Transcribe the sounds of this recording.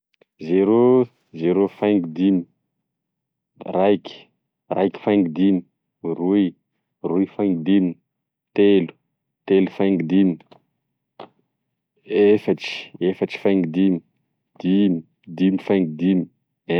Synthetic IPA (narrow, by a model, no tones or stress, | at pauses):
zeɾo | zeɾofaŋɡd̪imi | rajkʲi̥ | rajkʲi̥fãŋɡd̪imi | ruj | rujfaŋɡd̪imin | t̪elu̥ | t̪elufaŋɡd̪imi | efaʈ͡ʂi̥efaʈ͡ʂi̥fajŋɡid̪imi | d̪̥imi | d̪imifãŋɡid̪imi̥